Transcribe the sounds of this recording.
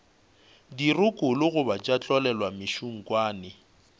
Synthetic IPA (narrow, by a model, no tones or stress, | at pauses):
dirʊkʼʊlʊɣʊbat͡ʃʼat͡ɬʼɔlɛlwamɪʃuŋ̩kʼwaːnɪ